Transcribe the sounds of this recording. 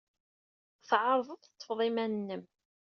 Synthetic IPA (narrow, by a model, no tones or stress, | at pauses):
θʕɑɾˤðˤəðˤt̪ˤːə̥fðˤimænnːəm